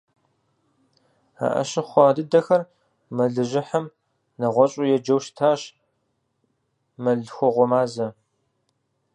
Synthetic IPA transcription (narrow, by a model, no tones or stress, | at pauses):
a̰ʔɐ̰ʃɪχʷɑːdɨdɐxɐr | mɐɮɨʑɪħɐm | nɐʁʷɔɕʼʊjɛd͡ʒɐwʃtʰaːɕ | mɐɮxʷɔʁʷɔmaːzɐ